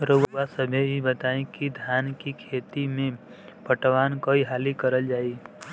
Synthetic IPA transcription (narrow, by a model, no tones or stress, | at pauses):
ɾoasəbʱeibət̪aːẽkid̪ʱjaːnkikʰeːt̪imẽ | pəʈʋaːnkoiɦaːlikəɾəld͡ʒaːi